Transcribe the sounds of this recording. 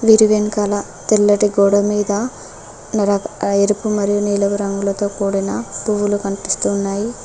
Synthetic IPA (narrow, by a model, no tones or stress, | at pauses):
ʋiɾiʋenkaːlɐ | t̪ilːɐʈiɡoːɽɐmiːd̪ɐ | nɐɾɐeɾupumɐɾijuniːlɐɡuɾɐŋɡulɐt̪o̞ːkuːɽinɐbuʋulukɐɳpist̪uːnːaːji